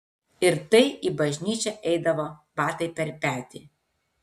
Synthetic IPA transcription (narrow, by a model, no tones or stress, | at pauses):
ɪɾt̪ɐɪiːbɐʒʲnʲiːt͡ʃʲɛʔɛɪd̪ɐʋoːbɑːt̪ɐɪpʲɛɾpʲæːt̪ʲḭː